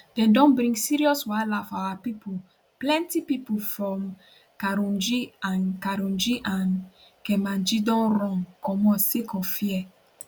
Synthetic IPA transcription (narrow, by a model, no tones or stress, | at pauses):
d̥ɛ̃ndɔ̃nbɾĩŋɡsiɾiɔswalafawapipu | plɛ̃ntipipufɔm | kaɾɔ̃nd͡ʒiankaɾɔ̃nd͡ʒiʔãn | kɛ̃mãnd͡ʒidɔ̃nɾɔ̃ŋkɔ̃mɔsikɔfiɛ